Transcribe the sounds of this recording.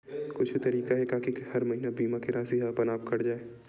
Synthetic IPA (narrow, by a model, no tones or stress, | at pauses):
kʊt͡ʃʰt̪ɐɾiːkaɦɛkaːkihɐɾmɐɦiːnabiːmakeɾaːsiɦapɐnaːp̚kɐɾd͡ʒaːeː